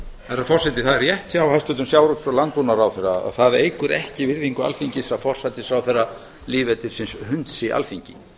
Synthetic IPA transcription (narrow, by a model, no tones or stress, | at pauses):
ɛɾafɔrsɛt̪ɪθaðɛɾjɛht̪çawhast̪ʏt̪ʏmsjawɾut̪sɔlant̪unaɾawθɛrːaa̰θaðejkʏɾɛhcɪvɪɾðiŋkʏa̰lfiɲcɪsɾafɔr̥sat̪ɪsɾawθɛrːa | liːvɛt̪ɪ̥sɪnshʏnt̪sɪʔa̰lfiɲcɪ